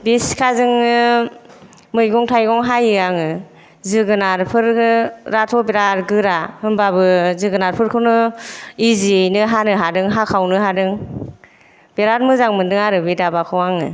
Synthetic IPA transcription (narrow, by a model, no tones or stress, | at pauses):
biskʰazɯŋnɯ | mɯjɡɔŋtʰajɡɔŋɦajɯaŋɯ | zɯɡɯnaɾpʰɯɾɾatʰɔbeɾaɾɡɯɾahɯŋbabɯzɯɡɯnaɾpʰɯɾkʰɯnɯiziejnɯɦanɯɦadɯŋɦakʰawnɯɦadɯŋ | b̥eɾaɾmɯzaŋmɯndɯŋaɾɯbɯdabakʰɯwaŋɯ̰